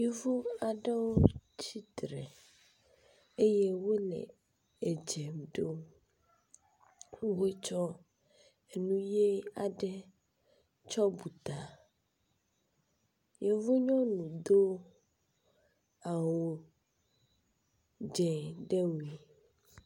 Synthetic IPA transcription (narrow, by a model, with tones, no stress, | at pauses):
je˦vo˦a˨ɖe˦wo˦t͡ɕi˦d̪ɾe˨ | e˦je˦wo˦lḛ˨ | e˨d͡ʒɛ˨mɖo˦ | we˦t͡ʃɔ˦ | e˨nũ˦je˦a˨ɖɛ˦ | t͡ʃɔ˦bu˨t̪a˨ | je˦vo˦ɲɔ̃˦nũ˨d̪o˦ | a˨wo˨ | d͡ʒɛ˨ɖe˦we˨